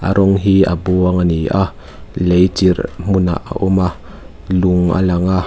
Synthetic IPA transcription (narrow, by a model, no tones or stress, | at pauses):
ʔa̰ɾʔɔŋɦia̰buaŋaniʔa | lejt͡ʃiɾm̥una̰ʔa̰ʔuma | luŋa̰laŋa